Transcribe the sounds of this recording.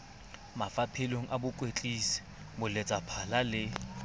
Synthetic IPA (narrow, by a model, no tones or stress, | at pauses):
mafapʰɪloŋ̩ʔabʊkʼwet͡ɬʼisi̥ | mʊlet͡sʼapʰalalɪ